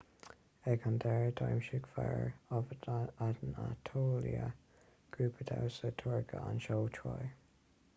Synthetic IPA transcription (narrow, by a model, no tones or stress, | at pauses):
ɛɡand̪ɛɹdʰɔjmʃɪɡ̥fɛɹɔvətad̪ənat̪ʰoːliə | ɡ̥ɹuːpʰəd̪ʰawsətʰɔɹɡəanʃowtʰɹɔj